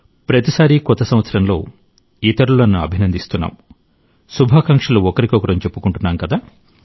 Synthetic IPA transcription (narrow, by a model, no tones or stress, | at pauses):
pɾɐt̪isaːɾikɔt̪ːɐsɐm̃ʋɐt̪sɐɾɐnlo̞̰ː | it̪ɐɾulɐnːuɐ̰bʱinɐnd̪ist̪unːa̰ːm | subʱaːkaŋkʂɐluɔkɐɾikɔkɐɾɐmt͡ʃe̞pːukuɳʈunːaːmkɐd̪aː